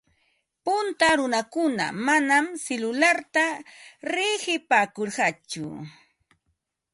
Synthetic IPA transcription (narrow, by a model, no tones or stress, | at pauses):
pʊnt̪aɾʊnakʊna̰manamselʊlaɾt̪aɾɪhɪpaːkoɾɢɑt͡ʃʊ̰